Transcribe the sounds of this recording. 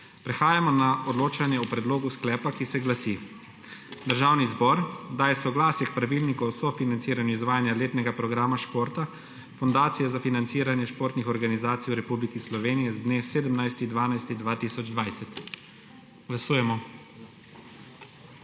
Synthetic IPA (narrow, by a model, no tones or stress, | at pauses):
pɾɛxaːjamɔnaɔd̪loːt͡ʃanjɛupɾɛd̪loːɡusklɛːpakisɛɡlasi | d̪əɾʒawnizbɔɾd̪aːjɛsɔɡlaːsjɛkpɾaʋilnikɔsɔfinant̪siːɾaniːzʋaːjanjaleːt̪nɛɡapɾɔɡɾaːmaʃpoːɾt̪a | fɔnd̪aːt̪sijɛzafinant̪siːɾanjɛʃpoːɾt̪nixɔɾɡanizaːt̪siwɾɛpublikislɔʋeːnijɛzd̪neːseːd̪əmnajst̪id̪ʋaːnajst̪iɣd̪ʋaːt̪isɔd͡ʒd̪ʋajsɛt̪ | ɡ̥lasuːjɛmɔ